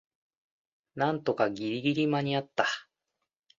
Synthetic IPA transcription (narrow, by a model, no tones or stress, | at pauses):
nãnt̪o̞kaɡʲiɾʲiɡʲiɾʲimaɲ̟iat̪ːa